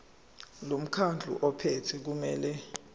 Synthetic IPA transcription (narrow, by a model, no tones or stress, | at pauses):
lom̩kʰand͡ɮʱṵʔɔpʰetʰɛk̬umɛːlɛ